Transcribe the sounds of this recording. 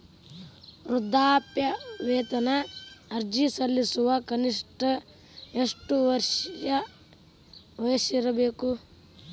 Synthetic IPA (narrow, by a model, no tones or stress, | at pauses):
ɾud̪ʱːaːpjɐʋeːt̪ɐnɐːɾd͡ʒisɐlːisuʋɐkɐniʂʈɐ | eʂʈuʋɐɾʂɐjɐ | ʋɐjɐʃiɾɐbeːku